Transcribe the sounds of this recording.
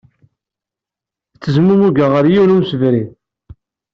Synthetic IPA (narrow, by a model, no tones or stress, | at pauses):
t͡sːəzmumuɡaʁəɾjiɾumsəvɾi